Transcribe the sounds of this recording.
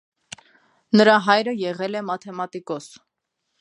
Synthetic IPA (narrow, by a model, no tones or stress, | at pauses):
nəɾɑɦɑjɾəjɛʁɛlɛmɑt̪ʰɛmɑt̪ikɔs